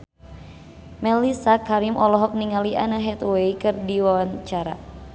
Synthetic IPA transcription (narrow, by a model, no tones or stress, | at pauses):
mɛlisakaɾimʔɔlɔɦɔk̚niŋaliʔa̰naɦɛt̪wɛikɨrdiwawaɲt͡ʃaɾa̰